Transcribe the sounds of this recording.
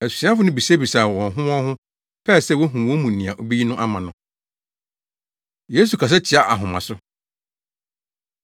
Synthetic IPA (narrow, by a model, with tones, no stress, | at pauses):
æ˨si̥˨sĩ˨˦ã˦fʊ˨˦nʊ̃˦bi˨sa˦bi˨sa˨wɔ̃˨n˨ɦʊ̃˦ɔ̃˦hʊ̃˦ | pʰɛː˦˨sɛ˦˨wo˦ɦũ˨wɔ̃˦mũ˨nĩ˨a˨ʔo˨bi˦i˦nʊ̃˦ʔa˦mã˨nʊ̃˦ | je˦s̬u˨kʰa˨s̬ɛ˦t͡ɕʰɪ˨a˨ʔa˨ɦʊ̃˨mã̰˨sʊ˦